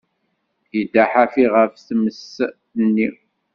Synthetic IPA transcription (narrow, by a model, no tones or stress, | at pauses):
jid̪aħafiʁəfθməs | nːi